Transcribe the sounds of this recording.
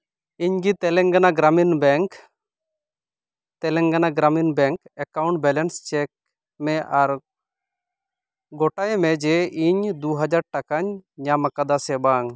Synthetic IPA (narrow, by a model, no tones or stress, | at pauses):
iɲɡit̪ɛlɛŋɡanaɡɾaminbɛŋk | t̪ɛlɛŋɡanaɡɾaminbɛŋkɛkawɳʈ̚bɛlɛnst͡ʃɛk̚ | mɛʔaɾ | ɡɔʈajmɛd͡ʒɛʔiɲd̪uɦad͡ʒaɾʈakaɲɲamakad̪asɛbaŋ